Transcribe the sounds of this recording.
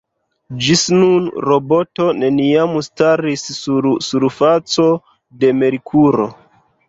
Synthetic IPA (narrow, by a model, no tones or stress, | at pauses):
d͡ʒisnunɾobo̞to̞ne̞niamustaɾisːuɾsuɾfat͡so̞ | de̞me̞ɾikʰuɾo̞̰